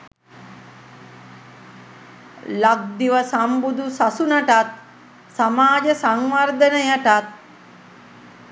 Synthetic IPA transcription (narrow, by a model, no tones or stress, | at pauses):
lak̚d̪iʋəsambud̪usasunəʈat̪̚ | samaːd͡ʒəsaŋʋard̪ənəjaʈat̪̚